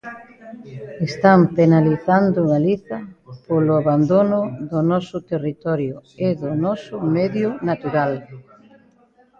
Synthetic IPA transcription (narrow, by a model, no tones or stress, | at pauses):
est̪ampenaliθand̪ʊɣaliθɐpolʊaβand̪onʊðʊnɔsʊt̪erit̪ɔɾjʊeðʊnɔsʊmɛðjʊnat̪uɾal